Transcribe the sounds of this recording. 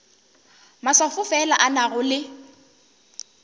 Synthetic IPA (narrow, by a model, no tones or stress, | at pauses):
maswafʊfɛlaʔanaɣʊlɪ